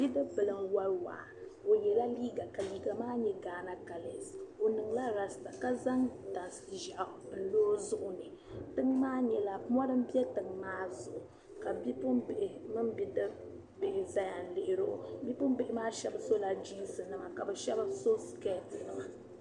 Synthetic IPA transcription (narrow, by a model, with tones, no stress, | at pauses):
bi˦dɨ˦bɨ˨lɨ˨mwa˦lwa̰ː˨o˨jɛ˨la˦liː˦ɡa˨ka˨liː˦ɡa˨maː˦ɲɛ˦ɡaː˨na˦ka˨le˨so˨nɨ˨ŋla˦ɾa˨sta˨ka˦za˦ŋta˨n˨sɨ̥˨ʒa˨ʔn̩˦loː˦zʊ˦ʔʊ˨nɨ˨tɨ˦ŋmaː˦ɲɛ˨la˨˦mɔ˦ɾɨ˦m̩˦bɛ˦tɨ˨ŋmaː˦zʊ˨ʔʊ˨ | ka˨bi˦pʊ˦mbɪ˨ʔɪ˨mɨ˦mbi˦dɨ˦ | bɪ˨ʔɪ˨za˦ja˨n˨lɪ˨ʔɪ˨ɾo˦ʔʊ̰˨bi˦pʊ˦m˦bɪ˦˨ʔɪ˦maː˦ʃɛ˦bso˦la˨d͡ʒi˦nsɨ˨nɨ˦ma˨ka˨bɨ˨ʃɛ˦ba˦so˦ske˦˨tnɨ˦ma˨